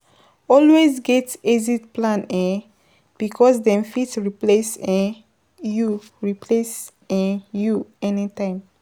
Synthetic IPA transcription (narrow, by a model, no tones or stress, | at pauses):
ɔlwezɡɛtezitplãnɛ̃ | b̥ikʰɔsdɛ̃mfitɹiplesɛ̃ | ju | ɹipʰles | ɛ̃juɛnitãɪ̃m